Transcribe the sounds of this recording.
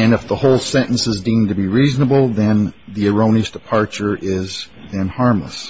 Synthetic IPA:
ɨ̃nɨfðəhoʊlˠsɛ̃ɾ̃ʔn̩sɨzdĩmtɨbiɹiznəbl̩ˠðɨ̃nðiɨɹõʊ̃ñiɨsd̥ɨpʰɑɹt͡ʃə˞ʔɪz | ðɨ̃nhɑɹmlə̰s

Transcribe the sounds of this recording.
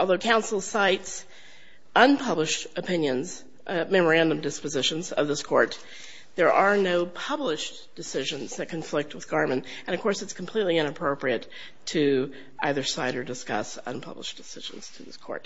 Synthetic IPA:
ʔɔlˠðoʊkʰãʊ̃nsl̩ˠsaɪts | ʔʌ̃npʰʌblɨʃtɨpʰɪ̃njɨ̃nz̥ | mɛmə˞æ̃ndɨ̃mdɨspɨzɪʃɨ̃nzʌ̰vðɪskʰɔɹt̪̚ | ðə˞ʔə˞noʊpʰʌblɪʃ | d̥ɨsɪʒɨ̃nzðɨt̚kʰɨ̃nɱflɪk̚t̚wəðɡɑɹmɨ̃n | ɨ̃ñʌv̥kʰɔɹsɨtskʰm̩pʰl̥itˡliɪ̃ñɨpʰɹ̥oʊpɹiɨtʰ | ɨ | ʔaɪðə˞saɪɾə˞dɨskʌ̰sʌ̰̃npʰʌ̰blə̰ʃd̥ɨsɪʒ̥̃n̩z̥tʰɨðɪ̰skʰɔ̰ɹt̚

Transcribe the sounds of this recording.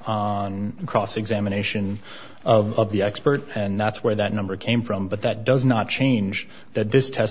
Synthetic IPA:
nkʰɹ̥ɔsɨɡzæmɨñeɪʃɨ̃n | ʌvʌvðiɛkspə˞ɾɨ̃nðætswə˞ðɨtⁿnʌ̃mbə˞kʰẽɪ̃ɱfɹʌ̃mbʌt̪̚ðɨt̚d̥ʌznət̚t͡ʃʰẽɪ̃nd͡ʒ | ðɨt̪̚ðɪstʰɛs

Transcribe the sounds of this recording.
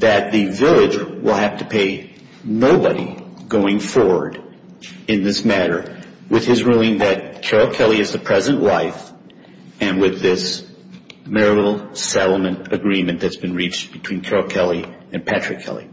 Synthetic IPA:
ðɨt̪̚ðɨvɪlˠɪd͡ʒwɪ̰lˠhæftɨpʰeɪ | noʊbəɾḭɡ̥oʊɪ̃ŋfɔɹwə˞ɾ | ɨ̃nðɪsmæɾə˞ | wɨð̥ɨzɹulˠɪ̃ŋðɨt̚kʰɛɹəkʰɛlˠiɨzðɨpʰɹ̥ɛzɨ̃nʔlaɪf | ɨ̃nwɪðɪs | mɛɹɨl̩ˠsɛɾl̩ˠmɨ̃ntɨɡɹĩmɨ̃nðɨtsb̥ɨ̃nɹit͡ʃb̥ɨtʰw̥ĩnkʰɛɹəkʰɛlˠiɨ̃npʰæt͡ʃɹ̥ɨkʰɛ̰lˠḭ

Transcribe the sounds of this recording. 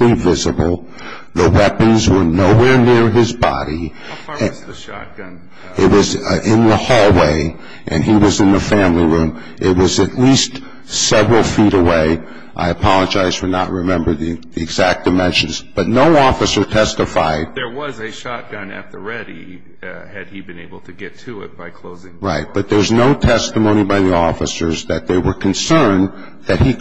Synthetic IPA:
ivɪzəbl̩ˠ | ðəwɛpɨ̃nzwə˞noʊwɛɹnɪɹɪzbɑ̰ɾĩ | ɪt̚wʌzɪ̃nðəhɔlˠweɪ | ʔɨ̰̃niwʌzɨ̃nðəfæ̃mliɹʉ̃m | ʔɪt̚wʌzɨtˡlist | sɛvɹl̩ˠfiɾəweɪ | ʔa̰ɪɨpʰɑlˠəd͡ʒaɪz̥tʰə˞nəʔ̚ɹɨmɛ̃mbə˞ðiðiɨɡzæk̚d̥ɨmɛ̃nʃɨ̃nzb̥ʌtⁿnoʊɔfɨsə˞tʰɛstɨfaɪd̚ðə˞wʌzɨʃɑt̚ɡ̥ʌ̃nɨ̰t̪̚ðəɹɛɾḭ | ɨd̚ibɨ̃neɪbl̩ˠtʰɨɡɛtʰɨɪ̰t̚b̥aɪkʰl̥oʊzɪ̃ŋɹaɪt̚b̥ʌt̪̚ðə˞wʌznoʊtʰɛstəmõʊ̃ñibaɪðiɔfɨsə˞zðɨt̪̚ðeɪwə˞kʰɨ̃n̩sɜ̃˞n | ðɨt̚hi

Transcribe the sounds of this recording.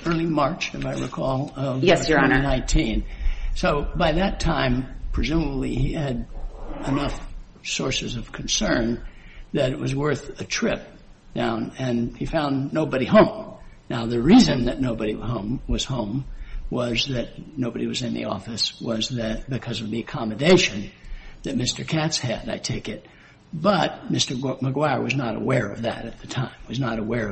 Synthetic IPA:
ɜ˞lˠimɑɹt͡ʃɨvaɪɹikʰɔlˠʌvɛsnãɪ̃ntʰĩnsoʊbaɪðɨtʰãɪ̃mpʰɹ̥ɨzũməbliiɨɾɨnʌf | sɔɹsɨzʌv̥kʰn̩sɜ̃˞nðɨɾɨt̚wʌzwɜ˞θɨtʰɹ̥ɪp̚ | d̥ãʊ̃nɨ̃nifãʊ̃nːoʊbɨɾihõʊ̃m | naʊðɨɹizɨ̃nðɨtⁿnoʊbɨɾihõʊ̃mwʌz̥hõʊ̃mwʌzðɨt̚ⁿnoʊbɨɾḭwʌzɨ̃nðḭɔ̰fɨswʌzðɨt̚b̥ɨkʰʌzʌvðiɨkʰɑmɨdeɪʃɨ̃nðɨt̚mɪstə˞kʰætshɨɾa̰ɪtʰeɪkɪt̚ | b̥ʌt̚mɪstə˞məɡwaɹwʌznəɾə̰wɛɹʌ̰vðɨ̰ɾɨt̪̚ðɨtʰãɪ̃mwʌznəɾəwɛɹʌ

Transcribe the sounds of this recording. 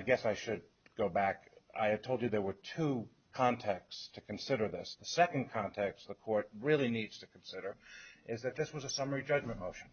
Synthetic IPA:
aɪɡɛsaɪʃɨd̚ | ɡ̥oʊbæka̰ɪɨ̥tʰoʊlˠd͡ʒɨðə˞wə˞tʰu | kʰɑ̃ntʰɛk̚tstʰɨkʰɨ̃n̩sɪɾə˞ðɪsðəsɛkɨ̃nkʰɑ̃ntʰɛksðəkʰɔɹt̚ɹɪlˠinidz̥tʰɨkʰn̩sɪɾə˞ʔɪzðɨt̪̚ðɪswʌzəsʌmə˞id͡ʒʌd͡ʒmɨ̃nmoʊʃn̩

